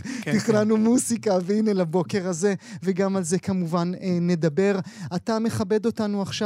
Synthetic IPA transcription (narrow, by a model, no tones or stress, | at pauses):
tiχnanumusikavinelabo̞ke̞ʁaze̞veɡamalze̞kamuvanːe̞dabe̞ʁatame̞χabe̞do̞tanuaχʃa